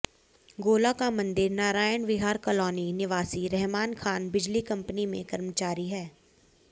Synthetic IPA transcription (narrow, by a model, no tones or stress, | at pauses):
ɡoːlakamɐ̃nd̪ɪɾnaːɾaːjənʋɪɦaːɾkɐlɔːninɪʋaːsiɾɛɦmaːnkʰaːnbɪd͡ʒlikɐ̃mpnimḛ̃kɐɾmət͡ʃaːɾiɦɛː